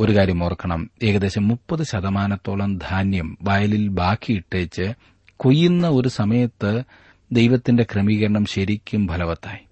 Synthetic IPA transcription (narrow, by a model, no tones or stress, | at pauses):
o̞ɾukaːɾjɐmoːrkːɐɳɐme̞ːɣɐd̪e̞ːɕɐmːupːɐðɨɕɐðɐmaːnɐt̪ːoːɭɐmd̪ʱaːnjɐmbaːjɐlilbʱaːkʰːiiʈːeːt͡ɕːɨ | ko̞jːunːɐo̞ɾusɐmɐjɐt̪ːɨ | d̪e̞jʋɐt̪ːinde̞kremiːɣɐɾɐɳɐmɕɐɾikʲːumbʱɐlɐʋɐt̪ːaːji